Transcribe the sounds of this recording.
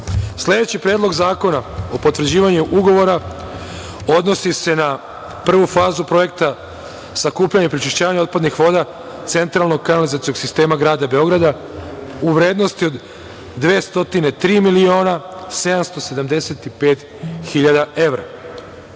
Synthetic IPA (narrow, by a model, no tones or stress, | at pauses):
sle̞d̪e̞t͡ɕipɾe̞ːd̪lˠo̞ɡzaːko̞nao̞po̞t̪ʋr̩d͡ʑiːʋaɲuʔuɡo̞ʋo̞ɾa | o̞d̪no̞sise̞na | pr̩ʋufaːzupɾo̞je̞k̚t̪a | sakuːpʎaɲepɾit͡ʃiʃt͡ɕaːʋaɲao̞t̪̚pad̪nixʋo̞ːd̪a | t̪se̞nt̪ɾalˠnoɡ̚kanalizat̪ijo̞ɡsist̪e̞ːmaɡɾaːd̪abe̞o̞ɡɾad̪a | uʋɾe̞ːd̪no̞st̪io̞d̪ː | ʋeːst̪o̞t̪ine̞t̪ɾiːmilio̞ːnase̞d̪amst̪o̞se̞d̪amd̪e̞se̞t̪ipe̞ːt̪ | xiʎad̪ae̞ʋɾa̰